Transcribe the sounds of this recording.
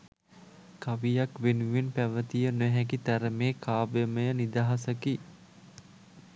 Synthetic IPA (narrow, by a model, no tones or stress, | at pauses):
kaʋijakʋenuʋenpæʋət̪ijənøɦɛk̬it̪æɾəmeːkaːbeməjənid̪aɦasəki